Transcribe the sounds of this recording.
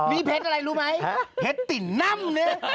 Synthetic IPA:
miː˧pʰe˦˥t̪ʔa˧ɾa˧jɾuː˦˥ma˦˥jpʰe˦˥t̪t̪i˨˩na˥˨mnɯ˦˥

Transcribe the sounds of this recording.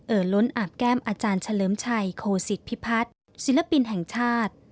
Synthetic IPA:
ʔɤː˨˩lo˦˥nʔaː˨˩p̚kɛː˥˩mʔaː˧t͡ɕaː˧nt͡ɕʰa˧lɤː˩˦mt͡ɕʰa˧jkʰoː˧si˨˩t̪̚pʰi˦˥pʰa˦˥t̪̚ | si˩˦nla˧pi˧nɦɛ˨˩ŋt͡ɕʰaː˥˩t̪̚

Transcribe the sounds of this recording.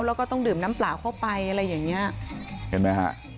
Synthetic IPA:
wlɛ˦˥kɔː˥˩t̪ɔ˥˩ŋdɯː˨˩mna˦˥mplaː˨˩wkʰa˥˩pa˧jʔa˧ɾa˧jːaː˨˩ŋːi˦˥ɐke˧˩ma˦˥ha̰˧˥ʔ

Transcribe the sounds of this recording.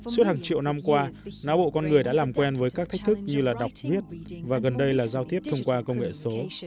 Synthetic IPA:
su˦˥ət̚haː˨˩ŋt͡ɕḭ˧˨əwna˧mkwaː˧naː˨˦ɓo̰˧˨kɔ˧nŋɨ˨˩əjɗa̰ː˧˥laː˨˩mkwɛ˧nvəː˨˦jkaː˦˥k̚t̪ʰa˦˥k̟̚t̪ʰɨ˦˥k̚ɲɨ˧laː˨˩ɗa˨˩wk͡p̚vi˦˥ət̚vaː˨˩ɣə˨˩nɗə˧jlaː˨˩zaː˧wt̪ʰi˦˥əp̚t̪ʰə˧wŋ͡mkwaː˧kə˧wŋ͡mŋḛ˧˨so˨˦

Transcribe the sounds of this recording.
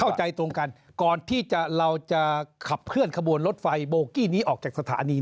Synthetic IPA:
a˥˩wt͡ɕa˧jt̪ɾo˧ŋka˧n | kɔː˨˩nt̪ʰiː˥˩t͡ɕa˨˩ɾa˧wt͡ɕa˨˩kʰa˨˩p̚kʰɯ˥˩ənkʰa˧bu˧ənlo˦˥t̪̚fa˧jboː˧kiː˥˩niː˦˥ʔɔː˨˩k̚t͡ɕaː˨˩k̚sa˧t̪ʰa̰ː˩˦niː˧

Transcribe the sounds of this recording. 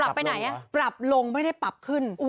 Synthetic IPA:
a˨˩pːa˧jna˨˩˦jʔa˧pɾa˨˩p̚lo˧ŋma˥˩jda˥˩jpa˨˩p̚kʰɯ˥˩n˧

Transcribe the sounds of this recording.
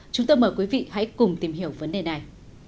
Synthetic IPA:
t͡ɕʊ˨˦ŋ͡mt̪o˧jməː˨˩jkwi˨˦vḭ˧˨ha̰˧˥jkʊ˨˩ŋ͡mt̪i˨˩mhi˧˩əwvə˨˦nɗe˨˩na˨˩j

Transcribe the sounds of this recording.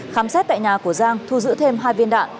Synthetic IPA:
xaː˨˦msɛ˦˥t̚t̪a̰ː˧˨jɲaː˨˩ku˧˩əzaː˧ŋt̪ʰu˧zɨ̰˧˥t̪ʰe˧mɦaː˧jvi˧ənɗa̰ː˧˨n

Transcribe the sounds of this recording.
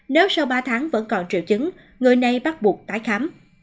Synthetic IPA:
ne˨˦wsa˧wɓaː˧t̪ʰaː˨˦ŋvə̰˧˥nkɔ˨˩nt͡ɕḭ˧˨wt͡ɕɨ˨˦ŋ | ŋɨ˨˩əjna˨˩jɓa˦˥t̚ɓu˨˩ək̚t̪aː˨˦jxa˨˦m

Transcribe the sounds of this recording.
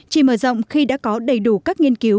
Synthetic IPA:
t͡ɕi˧˩məː˧˩zə̰˧˨wŋ͡mxi˧ɗa̰ː˧˥kɔ˨˦ɗə˧˩jɗu˧˩kaː˦˥k̚ŋi˧ənki˨˦w

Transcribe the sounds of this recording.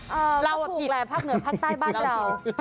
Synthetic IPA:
ʔəː˧la˧wa˧uː˨˩i˨˩klɛː˨˧˩pʰaː˥˩k̚nɯ˩ɐpʰaː˥˩k̚t̪aː˥˩jbaː˥˩ɾa˧w

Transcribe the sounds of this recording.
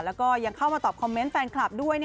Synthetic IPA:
lɛː˦˥wkɔː˥˩ja˧ŋkʰa˥˩wmaː˧t̪ɔː˨˩p̚kʰɔ˧mːe˦˥nfɛː˧nkʰla˨˩p̚du˥˩əjni˥

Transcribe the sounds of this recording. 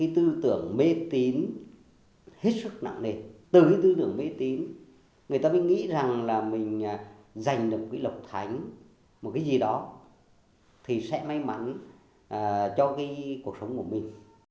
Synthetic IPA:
kaː˨˦jt̪ɨ˧t̪ɨ˧˩əŋme˧˨˦t̪i˨˦n | he˦˥t̚sɨ˦˥k̚na̰˧˨ŋne˨˩t̪ɨ˨˩ka˨˦jt̪ɨ˧t̪ɨ˧˩əŋme˧t̪i˨˦n | ŋɨ˨əjt̪aː˧ɓi˧˥˦ŋḭ˧˥za˨˩ŋlaː˨˩mï˨˩ŋ̟ː˨˩za˨˩jŋ̟ɗə˨˩k͡p̚kaː˨˦jlə˨˩wk͡p̚t̪ʰa˨˦jŋ̟ | m̚˨˩kaː˨˦jzi˨˩ɗɔ˨˦ | t̪ʰi˨˩sɛ̰˧˥ma˧jma˨˦n | ʔt͡ɕɔ˧kaː˨˦jku˧˩ək̚sə˨˦wŋ͡mku˧˩əmï˨˩ŋ̟

